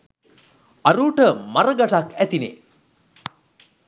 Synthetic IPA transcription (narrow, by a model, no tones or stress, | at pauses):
aɾuːʈəmaɾəɡaʈakæt̪inḛ